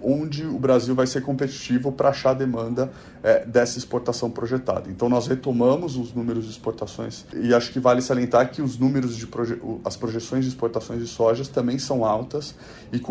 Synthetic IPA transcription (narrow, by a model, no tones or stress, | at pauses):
õd͡ʒɪʊbɾaziwvajseɾkõpet͡ʃi̥t͡ʃivʊpɾɐaʃaɾɐd̪emɐ̃nd̪ɐ | ɛd̪ɛsɐɪspoɾt̪asɐ̃w̃pɾoʒet̪a̰d̪ɐẽnt̪ɐ̃w̃nɔshet̪omɐ̃mʊzʊznũmeɾʊzd͡ʒɪispoɾt̪asõj̃sɪaʃʊ̥kɪvalɪsaliẽnt̪aɾkɪʊznũmeɾʊzd͡ʒɪpɾoʒeʊɐspɾoʒesõj̃zd͡ʒɪispoɾt̪asõj̃zd͡ʒɪsɔʒɐst̪ɐ̃mbẽj̃sɐ̃w̃awt̪ɐs | ɪk